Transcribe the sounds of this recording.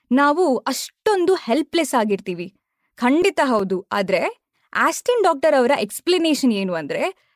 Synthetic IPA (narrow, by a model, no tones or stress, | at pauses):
naːʋuɐʂʈo̞nd̪uhelplesaːɡiɾt̪iːʋi | kʰɐɳɖit̪ɐɦɐwd̪ua̰ːd̪ɐɾe̞ | aːsʈinɖaːk̚ʈɐɾɐʋɐɾɐʔeksplineːʃɐne̞ːnuɐnd̪ɐɾe̞